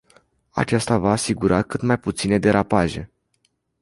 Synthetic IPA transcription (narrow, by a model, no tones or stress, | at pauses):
a̰t͡ʃast̪avaːsiɡuɾakɨt̪majput̪sine̞d̪e̞ɾapaʒe̞̰